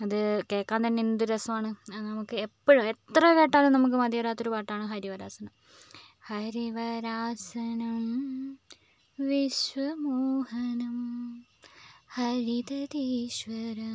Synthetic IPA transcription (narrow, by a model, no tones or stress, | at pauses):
ɐðɨke̞ːkːaːnt̪ɐnːeinːd̪uɾɐsɐmaːɳɨɐnɐmukːɨe̞pːɐɻume̞t̪rɐke̞ːʈːaːlumnɐmuk̬ːɨmɐd̪jɐɐɾaːt̪ːo̞ɾupaːʈːaːɳɨɦɐɾiʋɐɾaːsɐnɐm | hɐɾiʋɐɾaːsɐnɐm | ʋiɕʋɐmuːhɐnɐm | hɐɾit̪ɐd̪iːɕʋɐɾɐ